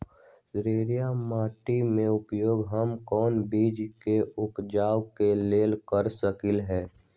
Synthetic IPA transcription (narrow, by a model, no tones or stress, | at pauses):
ɾeːɾijamaːʈimẽʊpjoːɡɦəmkɔːnbiːd͡ʒkeʊpd͡ʒaːwkeleːlkəɾsəkɪlɦɛː